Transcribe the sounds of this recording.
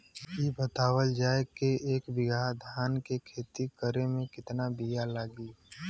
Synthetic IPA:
ibət̪aːwəld͡ʒaːekeeːkbɪɡʱaːd̪ʱaːnkekʰeːt̪ikəɾemẽkɪt̪nabijalaːɡiː

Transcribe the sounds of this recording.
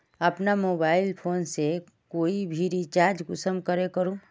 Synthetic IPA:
ɐpnamoːbaːɪlpʰoːnse | koːibʱiɾit͡ʃaːɾd͡ʒɡʊsəmkəɾekəɾũː

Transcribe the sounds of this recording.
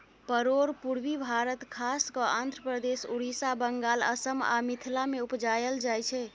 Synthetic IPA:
pəɾoɾpuɽʋibʱaɾət̪kʰaskəand̪ʱɾəpɾəd̪esuɽisabəŋɡalə̰səma̰mit̪ʰilameupd͡ʒajəld͡ʒajt͡ʃʰɛ

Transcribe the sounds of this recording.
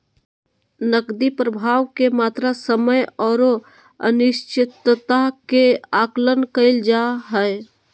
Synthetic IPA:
nəkd̪ipɾəbʱaːʋkemaːt̪ɾasəməjɔːɾo | ə̰nɪʃt͡ʃɪt̪t̪akeaːklənkəɪld͡ʒaɦɛɛ

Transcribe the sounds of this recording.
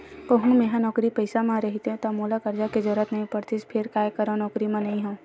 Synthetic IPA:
kəɦũmẽːɦãnɔːkɾipɐɪsamãɾɐɦit̪ẽt̪amoːlakɐɾd͡ʒaked͡ʒɔɾət̪nɐɦĩpəɾt̪ɪspʰɪɾkaːjkəɾãnɔːkɾimẽnɐɦĩɦõ

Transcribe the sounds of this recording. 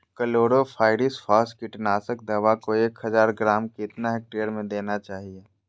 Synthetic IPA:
kəloːɽopʰaːɪɾisfaːsʈkɪʈnaːsək̚d̪ɐʋakoeːkɦɐzaːɾɡɾaːmkɪɪt̪naɦɛk̚ʈeːəɾmẽd̪eːnat͡ʃaːɦieː

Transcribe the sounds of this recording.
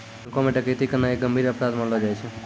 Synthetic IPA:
komeʈəket̪ikəɾnaek̚ɡəmbʱiːɾəpɾad̪mãlod͡ʒaːjt͡ʃʰe

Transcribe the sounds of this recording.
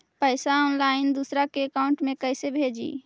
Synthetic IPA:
pəɪsaɔːnlaɪnd̪usɾakeəkaʊɳʈmekəɪsebʱed͡ʒḭ

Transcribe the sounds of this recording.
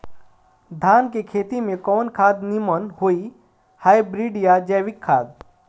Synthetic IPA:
d̪ʱaːnkekʰeːt̪imẽkɔːnkʰaːd̪nimənhoːi | haːjbɾiɖijad͡ʒɛʋɪkʰːaːd̪

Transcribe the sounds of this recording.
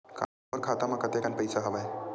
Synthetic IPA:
ka̰ | oɾkʰat̪amakət̪ekanpəjsaɦəʋaj

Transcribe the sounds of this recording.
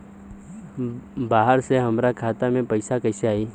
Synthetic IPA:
baːɦəɾseɦɐmɾakʰaːt̪amẽpɐɪsakəɪseaːiː

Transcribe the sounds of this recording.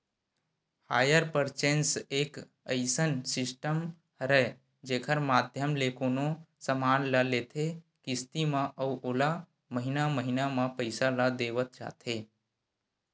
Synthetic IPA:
haːjəɾpəɾt͡ʃẽnseːk | əɪsənsɪsʈəm | ɾə | d͡ʒeːkʰəɾmaːd̪ʱjəmlekoːnõsəmaːnləlet̪ʰe | kɪst̪imãʔəuʔoːla | məɦinaməɦinamãpəɪsalad̪eːʋət̪̚t͡ʃa̰ːt̪ʰe

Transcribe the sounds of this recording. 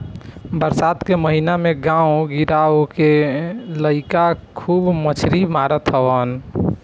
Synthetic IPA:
bəɾsat̪keməɦinameɡãuɡiɾawkeləɪkakʰuːbmət͡ʃʰɾimaɾət̪ɦəbən

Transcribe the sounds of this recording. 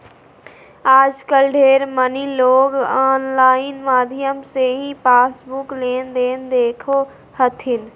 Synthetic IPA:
aːd͡ʒkəlɖʱeːɾməniloːɡaːnlaːɪnmaːd̪ʱijəmseɦĩpaːsbukleːnd̪eːnd̪eːkʰo | hət̪ʰɪn

